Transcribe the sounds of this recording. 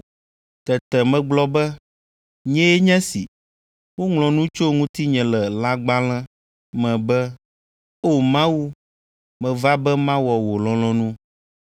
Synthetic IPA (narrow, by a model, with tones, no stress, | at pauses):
t̪ɛ˨t̪ɛ˨mɛ̃˨ɡ͡blɔ˦bɛ˦ | ɲɛ̃˦jɛ˦ɲɛ̃˦si˨ | wo˦ŋlɔ̃˨nũ˦t͡ʃo˦ŋũ˦t̪i˦ɲɛ̃˨lɛ˨la˦ɡ͡ba˦l̃ɛ̃˦ | mɛ̃˨bɛ˦ | o˦mã˦wu˦ | mɛ̃˨va˦bɛ˦mã˦wɔ˨wo˨lɔ̃˦lɔ̃˦nũ˦